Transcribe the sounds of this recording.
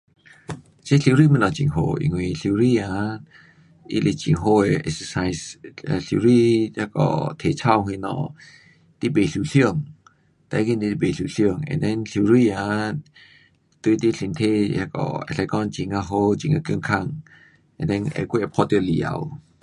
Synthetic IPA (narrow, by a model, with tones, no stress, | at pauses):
t͡ʃe˦ɬi˧ɾi˥˨mi˧˨nɔ˨t͡ʃi˨ŋɦo˧˨ʔḭ˨ŋwĩ˧ɬi˧˨ɾi˧a˨ | ʔḭ˧le˧˨t͡ʃi˨ŋɦo˧ɛ˨ʔɛ̰˧ksə˧sa˧jsɬi˧˨ɾi˥˧˨ja˧kɔ̰˨t̪ʰe˨t͡ʃʰa˥˧˨wɦwĩ˧nɔ̰˧˨ | t̪i˦be˨ɬu˧˨ɬi˦˧əŋ | t̪a˧˨˦ki˧nd̪i˧ti˧˨be˨ɬu˧˨ɬi˧ə˨ŋɛ̰̃˨ndɛ˧˦nɬi˧ɾi˧˨a˨ | t̪ɨ˧t̪i˦ɬi˨nt̪ʰe˧˨ja˧kɔ̰˨ɛ̰˧˨ɬɛ˧kɔ˧˨nt͡ʃi˨ŋa˧ɦo˧t͡ʃi˧˨ŋa˧kŋkʰa˧˨ŋ | ʔɛ̰̃˨ndɛ˧nʔɛ̰˧˨ke˦˧ʔɛ˧˨pʰɔ˧˦t̪li˧˨a̰˧w